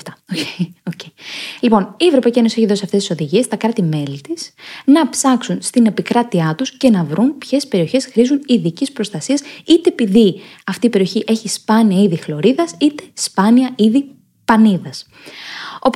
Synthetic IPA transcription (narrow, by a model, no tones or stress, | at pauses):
t̪ɐoeoceilipo̞nievɾopɐicienosieçiðo̞siɐft̪e̞sti̥so̞ðiʝie̞st̪ɐkɾɐt̪ime̞lit̪isnɐpsɐksunst̪ine̞pikɾɐt̪iɐt̪usce̞nɐvɾunpçe̞spe̞ɾio̞çe̞sxɾizuniðicispɾost̪ɐsiɐsit̪e̞ːpiðiɐft̪iːpe̞ɾio̞çiʔe̞çispɐniɐiðixlo̞ɾiðɐsit̪e̞̥spɐniɐiði | pɐniðɐs | o̞